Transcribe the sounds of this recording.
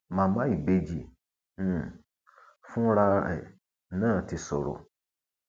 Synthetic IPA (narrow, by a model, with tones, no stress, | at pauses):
mã˨mã˦i˨be˦d͡ʒḭ˨˦˨ | fũ˦ɾa˦ɛ̰˨ | nã˦˨ti˨sɔ̰˨ɾɔ̰˨